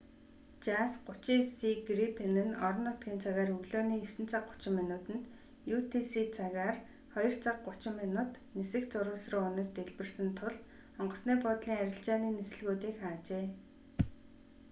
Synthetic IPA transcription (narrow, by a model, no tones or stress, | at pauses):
t͡ɕasɢʊt͡ɕiːsiɡripʰenɘ̆nɔɾɞ̆nːʊt̪ɡʲiːnt͡sʰaɣaːrɵɣɮoːniːɵsɘ̆nt͡sʰaq̚ɢʊ̥t͡ɕɪ̆mːinʊːt̪ɘ̆nt̪ | jut̪ʰisiːt͡sʰaɣaːr | χɔjɞ̆r̥t͡sʰaq̚ɢʊt͡ɕɪ̆mːenʊːt̪ | nesɘ̆kt͡sʊɾʊːsrə̆ʊnaːst̪eɮpɘ̆rsɘ̆nt̪ʰʊɮ | ɔɴɢɞ̆sniːpʊt̪ɮiːŋaɾʲɪ̆ɬt͡ɕaːniːnesɘ̆ɮɣuːt̪iːkχaːt͡ɕeː